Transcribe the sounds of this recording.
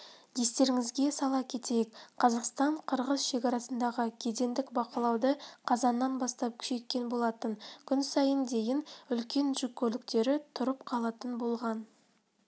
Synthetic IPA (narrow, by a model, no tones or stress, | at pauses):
d̪̥est̪e̞ɾɪŋɪzɡʲe̞sɑlˠɑkʲʰe̞t̪e̞jɪkqʰɑzɑqst̪ɑɴqʰəɾʁəzʃe̞kʲɑɾɑsənd̪ɑʁəkʲʰe̞d̪e̞nd̪ɪkbɑqɑlˠɑwd̪əqʰɑzɑnːɑnbɑst̪ɑp̚kʲʰʏ̥ʃe̞t̪̚kʲːe̞nbo̞lˠɑt̪əŋkʲʰʏnsɑjənd̪e̞jɪnʏlkʲe̞nʒʏkʲʰːɵlɪk̚t̪e̞ɾɪt̪ʰʊɾəp̚qʰɑlˠɑt̪ənbo̞lˠʁɑn